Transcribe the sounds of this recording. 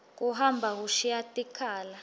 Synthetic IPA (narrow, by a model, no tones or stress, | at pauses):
k̬uɦambʱak̬uʃijatʼikʰaːla